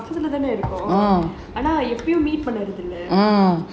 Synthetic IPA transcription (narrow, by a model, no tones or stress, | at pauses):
fɐsɪlɐt̪aːneɪɾɯkːʊ̃ː | aːnaːɛpːɪjʊ̃miːʈ̚pɐɳːɐɾɐðɪlːɐː